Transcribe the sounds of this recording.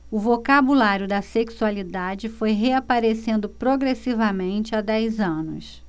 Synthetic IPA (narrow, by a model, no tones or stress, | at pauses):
ʊvokabulaɾjʊd̪ɐseksualid̪ad͡ʒɪfojɦeapaɾesẽnd̪ʊpɾoɡɾesivɐmẽnt͡ʃɪad̪ɛjzɐ̃nʊ̰s